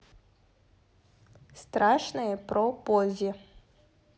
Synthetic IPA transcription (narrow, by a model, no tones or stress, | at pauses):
st̪ɾaʂnɨjəpɾɔpɔzʲɪ